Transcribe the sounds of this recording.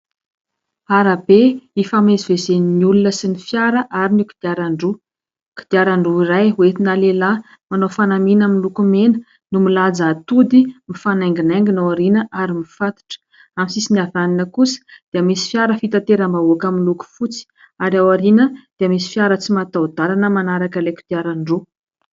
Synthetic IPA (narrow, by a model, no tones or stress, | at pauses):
aɾabeifamezivezenniulunəsinifjaɾəʔaɾiniki̥d̪̥iaɾaɳɖ͡ʐu | ku̥d̪̥iaɾaɳɖ͡ʐuiɾajuet̪inalela | manofanaminaminlukumenə̥ | numilad͡zaat̪ud̪imifanajŋɡinajŋɡinowaɾinəʔaɾimifat̪i̥ʈ͡ʂə̥ | amisisiniavaninəkusə̥d̪̥eəmisi̥fjaɾəfit̪at̪eɾambaukamiluku̥fut͡si̥ | aɾawaɾinəd̪̥eəmisi̥fjaɾət͡simat̪awd̪alanəmanaɾakəleki̥d̪̥iaɾaɳɖ͡ʐu